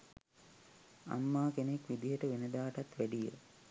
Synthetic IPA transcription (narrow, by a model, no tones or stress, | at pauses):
a̰mːaːkenekʋid̪ijəʈəʋenəd̪aːʈat̪ʋæɖijə̰